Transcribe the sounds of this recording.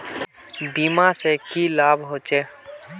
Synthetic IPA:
biːmasekilaːbʱɦoːt͡ʃe

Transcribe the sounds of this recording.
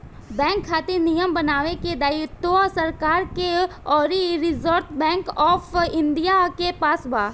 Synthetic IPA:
bɛ̃ːŋkʰːaːt̪inijəmbənaːʋeked̪aːjʊt̪osəɾkaːɾkeɔːɾiɾɪzəɾt̪bɛ̃ːŋkɔːfɪ̃nd̪ijakepaːsbaː

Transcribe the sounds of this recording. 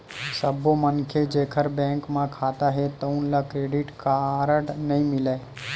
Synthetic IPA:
səbomənkʰed͡ʒeːkʰəɾbɛ̃ːŋkmãkʰaːt̪aɦɛt̪əʊ̃nlakɾeːɖɪʈkaːɾəʈnəɦĩmɪla

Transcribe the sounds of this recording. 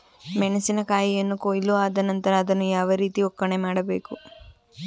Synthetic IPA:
mɛɳɐsinɐkaːjijɐnːukoːjluaːd̪ɐnɐnt̪ɐɾaːd̪ɐnːujaːʋɐɾiːt̪iɔkːɐɳemaːɽɐbe̞ːku

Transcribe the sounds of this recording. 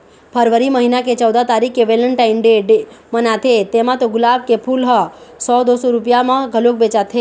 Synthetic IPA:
pʰəɾʋəɾiməɦinaket͡ʃəwd̪at̪aɾikːeʋeləɳʈainɖeɖemənat̪ʰet̪emãt̪oɡʊlab̚kepʰulɦəsɔd̪osoɾupjamãɡʱəlok̚bet͡ʃat̪ʰe

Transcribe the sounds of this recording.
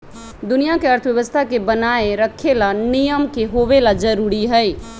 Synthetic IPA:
d̪ʊnijakeəɾt̪ʰəʋjəʋəst̪ʰakebənaːeɾəkʰːelanijəmkeɦoʋelad͡ʒəɾuːɾiɦɛj

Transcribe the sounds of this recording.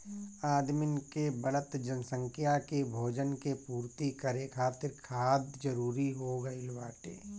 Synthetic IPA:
aːd̪mɪnkebələt̪d͡ʒənsə̃ŋkʰɪjakebʱoːd͡ʒənkepuːɾt̪ikəɾekʰaːt̪ɪɾkʰaːd̪d͡ʒɐɾuːɾiɦoːɡɐilwaːʈḛː

